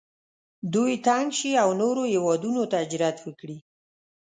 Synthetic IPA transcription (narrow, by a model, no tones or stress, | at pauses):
d̪ujt̪aŋɡʃiawnoɾohewɑd̪unot̪aɪd͡ʒɾat̪wəkɽi